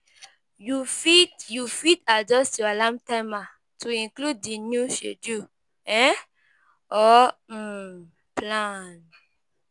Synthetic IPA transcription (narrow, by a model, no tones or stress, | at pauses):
jufitjufitad͡ʒɔstjɔalãmtama | tʰuĩnklud̚ːinjuʃḛdju | ɛ̃ | ɔ | plãn